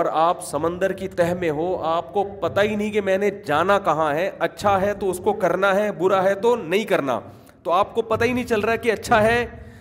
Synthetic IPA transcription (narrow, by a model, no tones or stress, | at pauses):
ɔɾaːpsɐmə̃nd̪əɾkit̪ɛɦmẽɦoaːp̚kopɐt̪ainɐɦĩkemɛ̃ːned͡ʒaːnakɐɦãɦɛɐtːʃʰaɦɛt̪oʊskokɐɾnaɦɛbʊɾaɦɛt̪onɐɦĩkɐɾna̰ː | t̪oaːp̚kopɐt̪aɦinɐɦĩt͡ʃɐlɾaːɛkiɐtːʃʰaɦɛː